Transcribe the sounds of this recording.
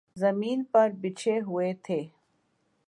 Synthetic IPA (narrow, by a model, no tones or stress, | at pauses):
zɐmiːnpɐɾbɪt͡ʃʰeɦuet̪ʰeː